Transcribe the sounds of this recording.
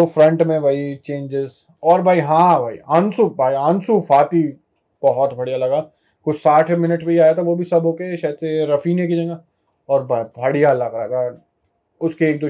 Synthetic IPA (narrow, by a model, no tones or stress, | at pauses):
ofɾɐ̃ɳʈmẽbʱaːit͡ʃẽːd͡ʒɪz | ɔːɾbʱaːiɦãbʱaːḭãːnsubʱaːiãːnsufʰaːt̪i | b̥ɐɦɔt̪bʱɐɽijalɐɡaː | kʊt͡ʃʰsaːʈʰmɪnəʈpeiaːjat̪ʰaʋobʱisɐbɦoːkeʃaːd̪seɾɐfiːnek̬id͡ʒãːɡaː | ɔːɾbʱaːbʱɐɽijalɐɡalɐ̰ɡa | ʊskeeːk̚d̪o